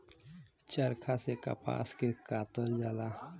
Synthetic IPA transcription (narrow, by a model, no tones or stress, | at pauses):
t͡ʃəɾkʰaseka̰pa̰ːskekaːt̪əld͡ʒala